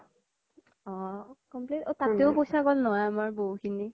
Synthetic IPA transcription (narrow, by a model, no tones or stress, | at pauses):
ɔkɔmplitotateʊpojsaɡɔlnɔwajamaɹboɦukʰini